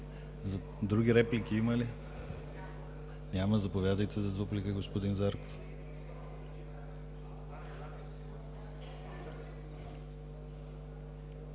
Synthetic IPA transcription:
d̪ɾuɡʲiɾɛplikʲiiməli | nʲaməzɐpovʲjad̪əjt̪ɛzɐd̪vuplikəɡospod̪inzaɾko̥f

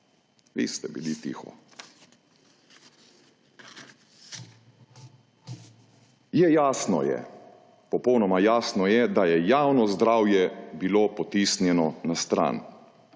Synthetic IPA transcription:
ʋḭst̪ɛbḭlit̪ḭxɔ̰ | jɛjaːsnɔ̰jɛ̰ | pɔpɔwnɔmajaːsnɔjɛd̪ajɛjawnɔzd̪ɾaːwjɛbiloːpɔt̪isnjɛnɔnast̪ɾa̰ːn

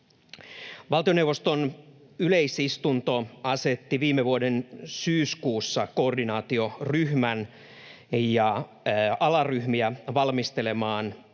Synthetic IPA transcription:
ʋɑlt̪io̞newʋo̞st̪on | yle̞isist̪unt̪o̞ɑse̞t̪ːiʋiːmeʋuodensyːskuːsːɑkoːrdinɑːt̪io̞ryhmæn | jɑ | ɑlɑryhmiæʋɑlmist̪e̞le̞mɑːn

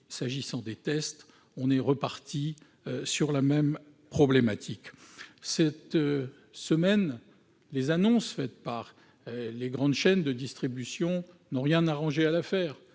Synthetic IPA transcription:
saʒisɑ̃d̪et̪ɛst̪ | ɔ̃nɛʁəpaʁt̪ʰi | syʁlamɛm | pχɔblɛmat̪ʰiksɛt̪ | səmɛn | lezanɔ̃sfɛt̪paʁ | leɡʁɑ̃d̪ʃɛnd̪əd̪ist̪χibysjɔ̃nɔ̃ʁjɛ̃naʁɑ̃ʒealafɛːʁ

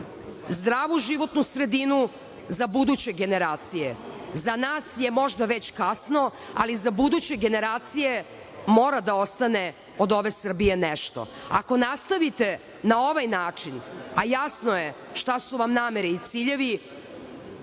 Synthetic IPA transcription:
zd̪ɾaːʋuʒiʋo̞t̪nusɾed̪inu | zabud̪ut͡ɕe̞ɡe̞neɾaːt̪sijḛzanaːsjemo̞ʒd̪aʋet͡ɕkasno̞ | a̰lizabud̪ut͡ɕe̞ɡeneɾaːt̪sije | mo̞ːɾad̪aost̪ane | od̪o̞ʋesr̩bijenɛʃt̪o̰ | a̰ko̞nast̪aʋit̪e | naoʋajnaːt͡ʂinajasnoje | ʃt̪asuʋamnaːmeɾiit̪siʎe̞ʋi

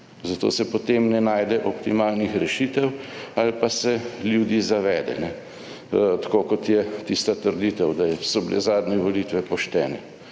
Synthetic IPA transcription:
zat̪o̰ːsɛpɔt̪emnɛnaːjd̪ɛʔɔpt̪imaːlnixɾɛʃiːt̪ɛwalpasɛljud̪izaʋɛːd̪ɛ̰nɛ | t̪ḁkokɔt̪jɛt̪ist̪at̪əɾd̪iːt̪ɛwd̪asɔbilɛ̰zaːd̪nɛʋoliːt̪ʋɛpɔʃt̪ɛːnɛ

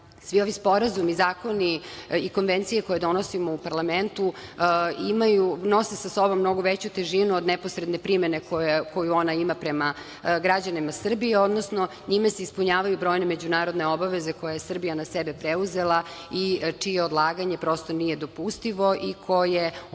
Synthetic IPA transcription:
sʋio̞ʋispo̞ɾazumizaːko̞niiko̞nʋent̪sije̞ko̞jed̪o̞nosimoupaɾlament̪u | imajuno̞se̞saso̞bo̞mːno̞ɡoʋet͡ɕut̪eʒinuod̪nɛposɾed̪ne̞pɾime̞nekoko̞juo̞naimapɾema | ɡɾad͡ʑanimasr̩bieod̪nosno | ɲimaseispuɲaːʋajubɾo̞ːjneme̞d͡ʑunaːɾo̞d̪ne̞obaʋeze̞ko̞jajesr̩bijanasebepɾeuze̞lˠa | it͡ʂijeod̪lˠaːɡaɲe̞pɾo̞st̪onije̞d̪o̞pust̪iʋo̞ʔikʰo̞je

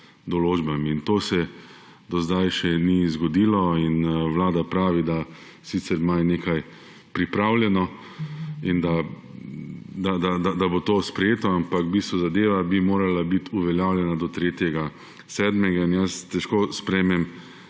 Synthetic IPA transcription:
d̪ɔloːd͡ʒbamiːnt̪oːsɛ | d̪ɔzd̪ajʃɛnizɡɔd̪iːlɔinʋlaːd̪apɾaːʋid̪a | sit̪sɛɾmajneːkaj | pɾipɾawljɛnɔ | ind̪a | d̪ad̪ad̪ad̪abot̪oːspɾɛjeːt̪ɔampakbist̪ʋuzad̪eːʋabimoːɾalabit̪uʋɛljaːwlʲjɛnad̪ɔt̪ɾeːt̪jɛɡa | sɛːd̪mɛɡainjəst̪ɛʃkoːspɾɛjmɛm

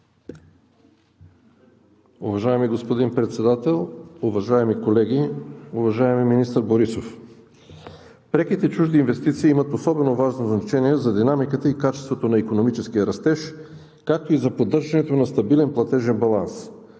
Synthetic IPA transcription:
uvɐʒaɛmiɡospod̪inpɾɛt̪sɛd̪at̪ɛlˠuvɐʒaɛmikolɛɡʲiuvɐʒaɛmiminist̪əɾboɾisof | pɾɛk̟it̪ɛt͡ʃuʒd̪iːnvɛst̪it̪siːimɐt̪osɔbɛnovaʒnoznɐt͡ʃɛniɛzɐd̪inamikət̪əikat͡ʃɛst̪vot̪onɐikonomit͡ʃɛskiəɾɐst̪ɛʃ | kak̚t̪oizɐpod̪ːɤɾʒɐnɛt̪onɐst̪ɐbilɛnplˠɐt̪ɛʒɛnbɐlˠans

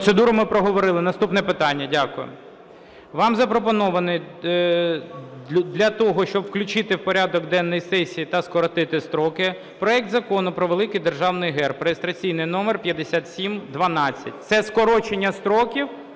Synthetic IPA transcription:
t̪sed̪uɾʊmɪpɾɔɦɔʋɔɾɪlˠɪnɐst̪upnɛpɪt̪ɑnʲːɐdʲakʊjʊ̰ | ʋɑmzɐpɾɔp̬ɔnɔʋɐnɪj | d̪lʲɐt̪ɔɦɔʃt͡ʃɔbwklʲʊt͡ʃɪt̪ɪwpɔɾʲad̪ɔɡd̪ɛnːɔjisɛsʲijit̪ɐskɔɾɔt̪ɪt̪ɪst̪ɾɔkɪ | pɾɔɛk̚t̪zɐkɔnʊpɾɔʋelˠɪkɪjd̪erʒɑwnɪjɦɛrpɾɔjest̪ɾɐt͡sʲijnɪjnɔmeɛrpʲjɐd̪esʲat̪sʲimd̪ʋɐnɑt͡sʲːɐ̰tʲt̪sɛskɔɾɔt͡ʃenʲːɐst̪ɾɔkʲiw

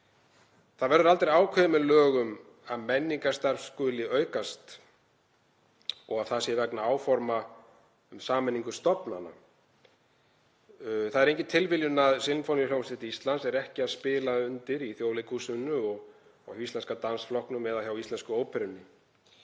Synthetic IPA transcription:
θaðvɛɾðʏɾalt̪ɾejaːwkʰvɛmɪlœːɣʏm | aðmɛnːiŋkast̪aɾfskʏːlɪʔœːɥkast̪ | ɔɣaθasjɛvɛknaaːwfɔɾma | ʏmsaːmɛnːiŋkʏst̪ɔpna̰na̰ | θaðɛɾẽjŋcɪnt̪ʰɪlvɪljʏnaðsɪlnfonɪɾjawmst̪ɪt̪ist̪lansɛɾɛhcɪaðspɪːlaʏnt̪ɪɾiθjowlɪkʰusʏnːʏɔɣ | ɔ̰ist̪lɛnskat̪ansflɔhknʏmɛðaçjawist̪lɛnskʏoːwpʰɛɾʏnːɪ

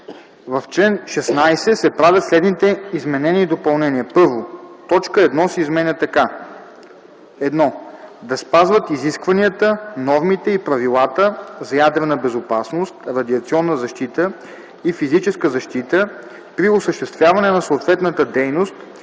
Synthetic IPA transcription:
vɐft͡ʃlɛnʃɛsnajsɛsɛpɾavʲjət̪slɛd̪nit̪ɛizmɛnɛnʲid̪opɐlˠnɛniəpɤɾvot̪ɔt͡ʃkəɛd̪nɔsɛizmɛnʲət̪ɐka | ɛd̪nɔd̪ɐspazvət̪iziskvɐniət̪ənɔɾmit̪ɛipɾɐvilˠat̪əzɐjad̪ɾɛnəbɛzopasnost̪ɾɐd̪iɐt̪siɔnːəzɐʃt̪it̪ə | ifizit͡ʃɛskəzɐʃt̪it̪ə | pɾiosəʃt̪ɛst̪vʲjavɐnɛnɐsoːt̪vɛt̪nət̪əd̪ɛjnost̪

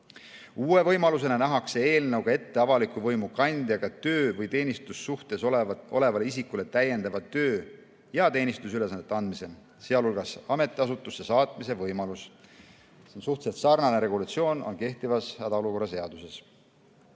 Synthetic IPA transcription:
uːe̞vɤjmɑlus̬e̞nenæɦɑkse̞e̞ːlnɤwɡ̥ɑe̞t̪ːe̞ɑvɑlikːˑuvɤjmukɑnʲd̪̥jɑɡ̥ɑt̪øːvɤjt̪e̞ːnist̪usːuht̪e̞sʔo̞̰le̞vɑleisikule̞t̪æje̞nd̪ɑvɑt̪ø̞ː | jɑt̪e̞ːnʲist̪usyle̞sɑnːet̪ˑːɑnd̪mise̞ | se̞ɑlulɡ̥ɑsɑme̞t̪ːˑiɑs̬ut̪ːˑusːesɑːt̪ˑmise̞vɤjmɑlus | sensuht̪set̪sɑrnɑneɾe̞ɡulɑt̪sio̞ːno̞̰nke̞ht̪ivɑshæd̪ɑo̞luko̞rːɑse̞ɑd̪̥use̞s

